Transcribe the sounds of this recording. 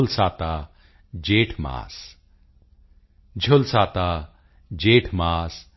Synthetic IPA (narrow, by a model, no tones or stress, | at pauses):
lsaːt̪aː | d͡ʒeːʈʰma̰ːs | d͡ʒʱʊlsaːt̪aː | d͡ʒeːʈʰmaːs